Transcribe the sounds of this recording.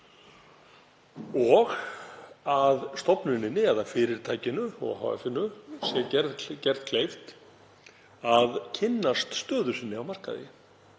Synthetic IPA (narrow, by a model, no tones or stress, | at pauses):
ɔɣ | aðst̪ɔpnʏnɪnːɪɛðafɪɾɪɾ̥t̪ʰaːjcɪnʏɔ̰ɣha̰wɛ̰fɪnːʏsjɛɛɾðcɛɾt̪kʰlejft̪ | aðcʰɪnːast̪st̪œːðʏsɪnːɪawmar̥ka̰ðɪ̰